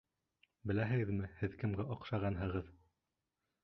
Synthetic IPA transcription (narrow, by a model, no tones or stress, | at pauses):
bɘ̆læɦɘ̆ɡɘ̆ðmɘhɘðkɘ̆mɡæʔɑqʃɑʁɑnɦɤ̆ʁɤð